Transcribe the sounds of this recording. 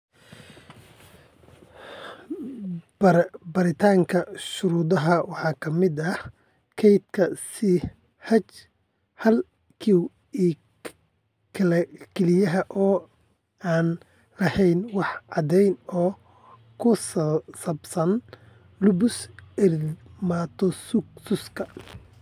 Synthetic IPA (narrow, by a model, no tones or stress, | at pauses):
bɐɾbɐɾɪt̪ʰaːŋkʰɐʃʊɾuːd̪ɐɦɐwɑħɑːkʰɐmɪd̪ɐ | kʰɛjd̪kʰɐsɪ | hɐt͡ʃ | hɐl | kʰiw | iː | kʰɐlɛɡʰɛlɪjɐɦɐʔɔː | aːn | lɐhɛjnwɑħʕɑd̪ɛjnɔː | kʰʊssɐbsɐn | lʊbʊsɛrmat̪ʰɔsʊksʊskʰɐ